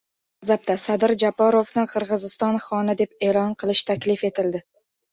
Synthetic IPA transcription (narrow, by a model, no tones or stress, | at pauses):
azap̚t̪asad̪ɪɾd͡ʒapʰaɾovnɪqʰɨɾʁɨzɪst̪ɒnχɒnɪd̪e̞p̚e̞ːlɒnqʰɨlˠɪʃt̪ʰakʲlɪfe̞t̪ɪld̪ɪ